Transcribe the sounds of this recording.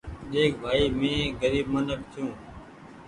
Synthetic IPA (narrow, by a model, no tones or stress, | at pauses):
ɗeːk̚bʱaːiːmẽːɡəɾiːb̚mənək̚t̪ʰjũː